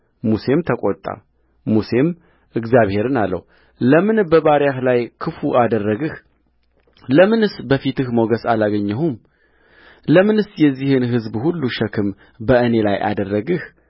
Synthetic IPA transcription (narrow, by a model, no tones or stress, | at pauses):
muse̞mt̪ʰəkʼot̪ʼa̰ | muse̞m | ɨɡzjaβhe̞ɾɨnalːə̰wu | ləmɨnbəβaɾjahlajkʰɨfuʔad̪ərːəɡɨh | ləmɨnɨsbəfit̪ɨhmoɡəsalaɡəɲːɛhum | ləmɨnɨsjɛzːihɨnɦɨzbhulːuʃəkʰɨm | bəʔɨne̞lajʔa̰d̪ərːəɡɨh